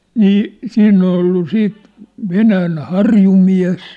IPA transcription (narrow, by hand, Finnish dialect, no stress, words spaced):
niː siːnː ol olːu siːt ʋenæːn hɑrjumiæ̝s